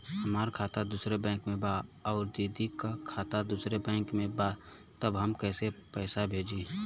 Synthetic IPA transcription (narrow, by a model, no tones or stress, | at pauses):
həmaːɾkʰaːt̪ad̪usɾebɛ̃ːŋkmẽbaɔːʊɾd̪id̪ikakʰaːt̪ad̪uːsɾebɛ̃ːŋkmẽba | t̪əbɦəmkɛːsepɛːsabʱeːd͡ʒi